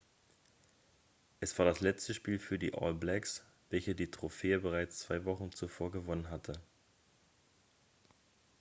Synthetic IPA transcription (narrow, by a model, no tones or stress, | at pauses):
ʔɛsv̥aːɐdaslɛt͡stəʃpiːlfyːɐdḭːʔɔ̰ːlblɛks | v̥ɛlçədiːtʁ̥ofeːəbəʁ̞aɪt͡st͡sv̥aɪvɔχn̩t͡sufoːɐɡəvɔnənɦatʰə